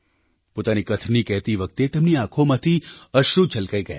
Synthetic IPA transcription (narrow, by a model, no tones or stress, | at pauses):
poːt̪anikət̪ʰnikɛɦt̪iʋək̚t̪et̪emniakʰomãt̪ʰiəʃɾut͡ʃəlkaiɡɐja̰